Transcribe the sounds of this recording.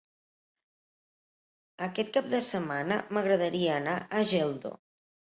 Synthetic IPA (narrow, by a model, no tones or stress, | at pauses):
əkɛt̪̚kap̚d̪əsəmanə̰məɣɾəð̞əɾiəːnaʔəʒɛlˠd̪o̰